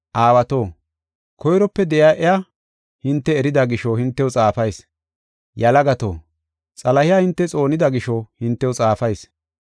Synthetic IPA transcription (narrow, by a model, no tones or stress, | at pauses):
ʔaːwɐt̪oː | kʰɔjɾɔpːɛd̪ɛjaʔɛja | hɪnt̪ːɛːɾɪd̪ɐɡɪʃohɪnt̪ːɛwt͡sʼaːfɐjs | jɐlɐɡɐt̪o̰ː | t͡sʼɐlɐhɪjaːhɪnt̪ːɛt͡sʼo̞ːnɪd̪ɐɡɪʃohɪnt̪ːɛwʊt͡sʼaːfɐjs